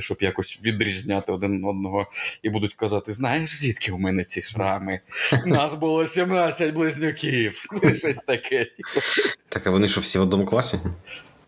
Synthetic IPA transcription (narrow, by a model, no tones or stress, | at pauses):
ʃt͡ʃɔbjakɔsʲʋʲid̪ɾʲizʲnʲat̪ɪɔd̪ɪnɔd̪̚nɔɦɔibud̪ʊtʲkɐzɑt̪ɪznɑjeʂzʲʋʲit̪kʲɪumɛnɛt͡sʲiʃɾɑmɪnɑsbʊlˠɔsʲimnasʲɐtʲblˠɪzʲnʲʊkʲiw̪ɪʃɔsʲt̪ɐkʰɛtʲit̪ɑkɐʋɔnɪʃɔwsʲiʋɔd̪nɔmklˠɑsʲi